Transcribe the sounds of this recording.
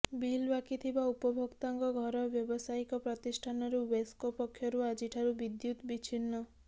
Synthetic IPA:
bilbakit̪ʰibaupɔbʱɔkt̪aŋkɔɡʱɔɾɔbjɔbɔsaikɔpɾɔt̪isʈʰanɔɾuweskopɔkʰːjɔɾuad͡ʒiʈʰaɾubid̪jut̪bit͡ʃʰinːɔ

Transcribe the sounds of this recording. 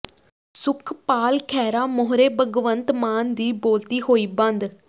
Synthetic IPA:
sʊkʰpaːlkʰɛːɾaːmʊɦɾeːbəɡʋənt̪maːnd̪iːboːlt̪iːɦoːiːbə̃nd̪

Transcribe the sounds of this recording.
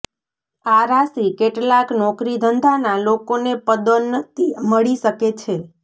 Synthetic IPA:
aɾasikeʈlaknɔkɾid̪ʱənd̪ʱanalokonepəd̪onət̪iməɭiʃəket͡ʃʰe

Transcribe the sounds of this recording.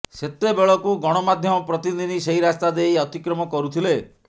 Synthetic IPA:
set̪ːebeɭɔkuɡɔɽ̃ɔmad̪ʱjɔmɔpɾɔt̪iinʱiseɦiɾast̪ad̪ejɔt̪ikɾɔmɔkɔɾut̪ʰile

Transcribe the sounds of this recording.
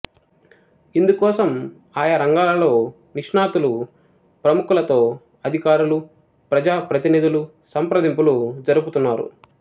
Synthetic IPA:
ind̪ukɔːsɐm | aːjɐɾɐŋɡaːlɐlo̞ː | niʂɳaːt̪ulu | pɾɐmukulɐt̪o̞ː | ɐd̪ʱikaːɾulu | pɾɐd͡ʒaːpɾɐt̪iniːd̪ulu | sɐmpɾɐd̪impulud͡ʒɐɾuput̪unːaːɾṵ

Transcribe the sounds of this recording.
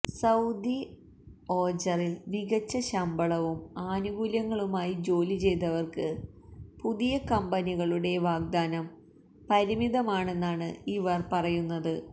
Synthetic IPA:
sɐwd̪i | o̞ːd͡ʑɐrilniɣɐt͡ɕːɐɕɐmbɐɭɐʋumaːnuɡuljɐŋːɐɭumaːjid͡ʑo̞ːlit͡ɕe̞jt̪̬ːɐʋɐrkɨ | puðijɐkɐmbɐniɣɐɭuɽe̞ʋaːɡ̚d̪aːnɐm | pɐɾimiðɐmaːɳe̞nːaːɳɨiʋɐrpɐrɐjunːɐðɨ

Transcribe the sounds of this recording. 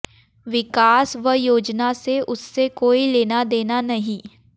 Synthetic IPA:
ʋɪkaːsʋəjoːd͡ʒnaseʔʊsːekoːileːnad̪eːnanɐɦĩː

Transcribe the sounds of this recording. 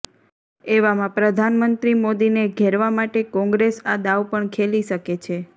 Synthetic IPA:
eʋamãpɾəd̪ʱanmənt̪ɾimod̪ineɡʱeɾʋamaʈekɔ̃ŋɡɾesad̪aʋpəɳkʰeliʃəket͡ʃʰe

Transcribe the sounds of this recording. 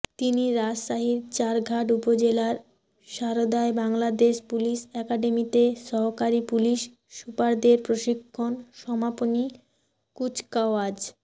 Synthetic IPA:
t̪iniɾad͡ʑʃaɦiɾt͡ɕaɾɡʱaʈ̬upod͡ʑelaɾ | ʃaɾod̪aebaŋlad̪eʃpuliʃɛkaɖemit̪eʃɔɦokaɾipuliʃː | upaɾd̪eɾpɾoʃikʰːonʃɔmaponi | kut͡ɕkaoad͡ʑ

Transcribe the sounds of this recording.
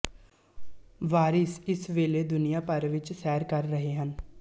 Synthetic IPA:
ʋaːɾɪsɪsʋeːleːd̪ʊnijaːpəɾʋɪt͡ʃsɛːɾkəɾːəɦeːɦən

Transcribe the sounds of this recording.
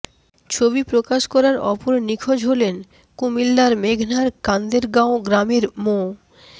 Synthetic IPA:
t͡ɕʰobipɾokaʃkɔɾaɾɔpoɾnikʰod͡ʑɦolen | kumilːaɾmeɡʱnaɾkand̪eɾɡãoɡɾamiɾmo

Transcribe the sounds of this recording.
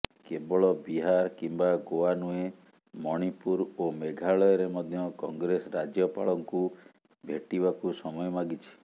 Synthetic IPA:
kebɔɭɔbiɦaɾkimbaɡoanue | mɔɽ̃ipuɾomeɡʱaɭɔjɔɾemɔd̪ʱjɔkɔŋɡɾesɔɾad͡ʒjɔpa̰ɭɔŋku | bʱeʈibakusɔmɔjɔmaɡit͡ʃʰi̥

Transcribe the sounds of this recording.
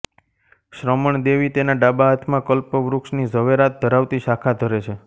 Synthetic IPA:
ʃɾəməɳd̪eʋit̪enaɖabaɦət̪ʰmãkəlpəʋɾukʃnizəʋeɾat̪̚d̪ʱəɾaʋt̪iʃakʰad̪ʱəɾet͡ʃʰe

